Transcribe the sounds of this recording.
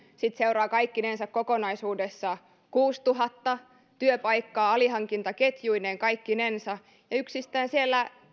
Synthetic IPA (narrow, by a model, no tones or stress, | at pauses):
sit̪seuɾɑːkɑikːinensækkokonɑisuːdesːɑ | kuːst̪uɦɑt̪ːɑ | t̪yøpɑjkːɑːɑliɦɑŋkint̪ɑket̪juineːŋkɑikːinensɑ | jɑyksist̪æːnsielːæ